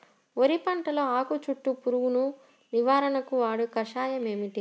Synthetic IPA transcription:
oɾipɐɳʈɐlɐaːkut͡ʃuʈːupuɾuwunu | niʋaːɾɐnɐkuʋaːɽukɐʂaːjɐme̞ːmiʈi

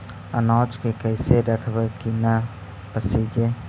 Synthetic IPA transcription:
ə̰nɔːt͡ʃkekəjseɾɐkʰbəɾkina | pəsid͡ʒe

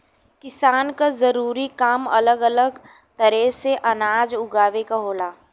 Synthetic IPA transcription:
kɪsaːnkazɐɾuːɾikaːmɐ̰ləɡələɡ | t̪ɐɾɛɦseʔɐnaːd͡ʒʊɡaːʋekaɦoːlaː

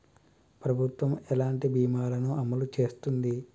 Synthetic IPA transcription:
pɾɐbʱut̪ʋɐmɛlaːɳʈibiːmaːlɐnuɐmɐlut͡ʃe̞ːst̪und̪i

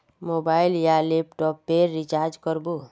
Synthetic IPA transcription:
moːbaːɪljalepʈɔːpːeɾːɪt͡ʃaɾd͡ʒkəɾbo

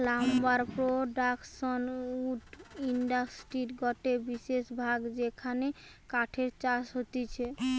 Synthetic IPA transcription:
lambaɾpɾoɖakʃonuʈiɳɖasʈɾiɾɡɔʈebiʃeʃbʱaɡd͡ʑekʰane | kaʈʰeɾt͡ɕaʃɦot̪it͡ɕʰe

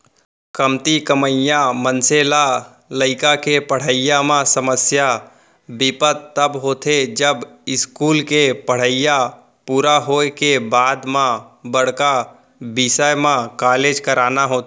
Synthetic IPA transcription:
kəmt̪ikəməjãmənsela | ləɪkakepəɽ̤əɪjamãsəməsja | bɪpət̪ːəbɦoːt̪ʰed͡ʒəbɪskuːlkepəɽ̤əɪja | puːɾaɦokebaːd̪mãbəɽ̤ka | bɪsəjmãkaːleːd͡ʒkəɾaːnaɦoːt̪

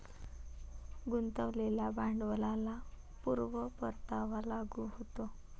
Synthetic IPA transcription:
ɡunt̪əʋleljabʱaɳɖʋəlala | puɾʋəpəɾt̪aʋalaɡuɦot̪o

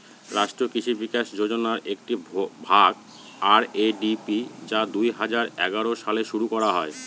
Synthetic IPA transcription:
ɾaʃʈɾokiʃibikaʃd͡ʑod͡ʑonaɾek̚ʈibʱaɡ | aɾeɖipid͡ʑad̪ujɦad͡ʑaɾɛɡaɾoʃaleʃuɾukɔɾaɦɔe

